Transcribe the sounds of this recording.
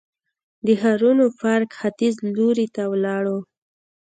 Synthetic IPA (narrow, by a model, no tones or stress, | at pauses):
d̪əɦaɾunofaɾkxat̪izloɾit̪awlɑɽo